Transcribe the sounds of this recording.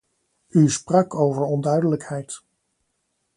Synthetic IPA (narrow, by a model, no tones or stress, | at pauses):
ysprɑkowvəɹɔndœɥdələkhɛjt